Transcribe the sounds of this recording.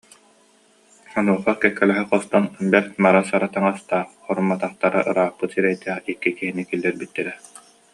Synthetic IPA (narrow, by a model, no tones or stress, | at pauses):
sɔnuɔχaɾkɛkːɛlɛɦɛqɔst̪ɔnbɛɾt̪maɾasaɾat̪aŋast̪aːχ | ɔɾumːat̪aχt̪aɾa̰ʔɯɾaːχpɯt̪siɾɛjt̪ɛχikːikiɦinikilːɛɾbit̪ːɛɾɛ